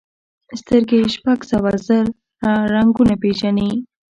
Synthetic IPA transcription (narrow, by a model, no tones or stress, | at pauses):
st̪əɾɡeʃpaɡsawazəɾ | aɾaŋɡunapeʒani